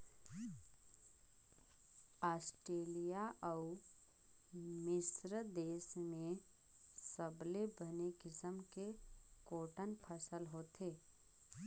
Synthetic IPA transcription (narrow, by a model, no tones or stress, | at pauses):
aːsʈɾeːlijaʔɔʊ | mɪsɾəd̪eːsmẽ | səblebənekɪsəmkekoːʈənpʰəsəlɦoːt̪ʰeː